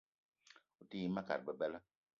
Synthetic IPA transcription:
u˨ti˦ma˦ka̰˨ɾ̚bə˨bɛ˦lə˦

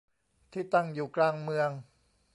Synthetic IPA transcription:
t̪ʰiː˥˩t̪a˥˩ŋjuː˨˩klaː˧ŋmɯ˧əŋ

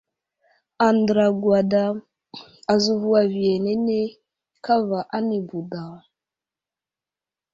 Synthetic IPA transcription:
a˨n˨dɾa˨ɡwa˨da˦ | a˨zu˨vu˦a˨vi˨e˨ne˦ne˦ | ka˦va˨ʔa˦ni˨bu˨da˨

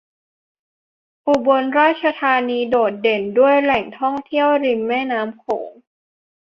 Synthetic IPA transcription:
ʔu˨˩bo˧nɾaː˥˩t̪̚t͡ɕʰa˧t̪ʰaː˧niː˧doː˨˩t̪̚de˨˩ndu˥˩əjlɛ˨˩ŋt̪ʰɔ˥˩ŋt̪ʰi˥˩əwɾi˧mːɛː˥˩naː˦˥mkʰo̰ː˩˦ŋ

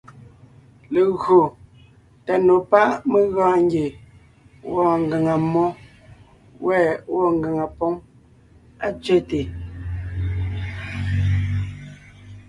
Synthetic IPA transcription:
le˨ɣo˨ | ta˨no˨pa˦me˦ɣãː˦˨ŋ˦ɡe˨ | wɔ˦˨ŋɡa˨ŋa˨mɔ˦ | wʔɛ˦˨wɔ˦˨ŋɡa˨ŋa˨pɔ˦ŋ | a˦t͡ʃɥɛ˦te˨

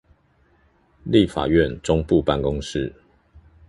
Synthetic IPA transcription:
li˥˨fa̰˨˩ɥɛ˥˨nʈ͡ʂʊ˦ŋpu˥˨pa˥˨nkʊ˦ŋʂɻ̩˥˨

